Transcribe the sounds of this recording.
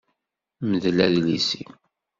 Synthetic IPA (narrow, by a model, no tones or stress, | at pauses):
məðlæðlisḭ